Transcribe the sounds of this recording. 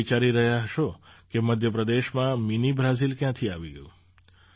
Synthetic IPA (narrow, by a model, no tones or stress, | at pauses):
it͡ʃaɾiɾəɦjaɦəʃokeməd̪ʱjəpɾəd̪eʃmãminibʱɾazilkjãt̪ʰiaʋiɡəjũ